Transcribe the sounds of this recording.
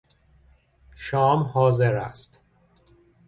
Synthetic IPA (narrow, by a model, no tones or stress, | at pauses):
ʃɒːmhɒːzeɾæst̪